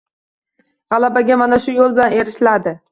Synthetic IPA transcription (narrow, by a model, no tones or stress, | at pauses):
ʁɑlˠabaɡʲamanaʃʊjolˠbɪlane̞ɾɪʃlad̪ɪ